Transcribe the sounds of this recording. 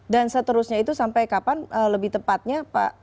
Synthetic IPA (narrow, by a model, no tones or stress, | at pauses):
dansət̪əɾusɲait̪usampajkapanʔələbɪht̪əpat̪̚ɲapa̰